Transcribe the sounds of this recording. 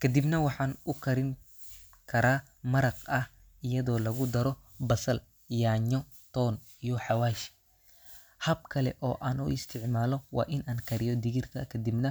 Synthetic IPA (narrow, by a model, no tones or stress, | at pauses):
kʰɐd̪ibnɐwɑħɑːnʊkʰɐɾɪŋ | kʰɐɾaː | mɐɾɐqɐh | ɪjɐðɔːlɐɣʊd̪ɐɾɔ | bɐsɐl | jaːɲɔ | t̪ʰɔːn | ijɔħɑwaːʃ | hɐb̚kʰɐlɛ̰ʔɔːʔaːnṵɪst̪ʰɪʕmaːlɔwɑ̰ːʔɪnʔaːnkʰɐɾɪjɔd̪ɪɣɪrkʰɐ̰kʰɐd̪ibnɐ